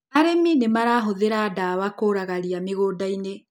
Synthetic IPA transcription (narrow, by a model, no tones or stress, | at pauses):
aɾeminemaɾaɦoðeɾadawakoɾaɣaɾiameɣoːdaine